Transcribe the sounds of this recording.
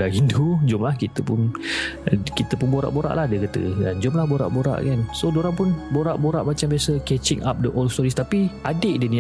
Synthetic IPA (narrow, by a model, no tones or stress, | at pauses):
aɦindud͡ʒʊmlahkit̪əpʊn | kit̪əpʊnboɾa̰ʔboɾa̰ʔlahdəkət̪ə̰da̰nd͡ʒʊmlahboɾa̰ʔboɾa̰ʔkansodoɾaŋpʊnboɾaʔboɾaʔmat͡ʃambiasəkɛt͡ʃɪŋʔa̰p̚dəʔɔlst̪ɔɾist̪apiadɪʔdəni